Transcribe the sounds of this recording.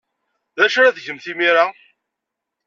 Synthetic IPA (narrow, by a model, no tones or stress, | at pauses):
ðæʃɾæðʝəmθimiɾa